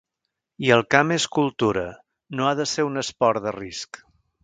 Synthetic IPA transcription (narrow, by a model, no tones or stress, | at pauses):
iəlˠkameskulˠt̪uɾə | noaðəseɾunəspɔɾd̪ərisk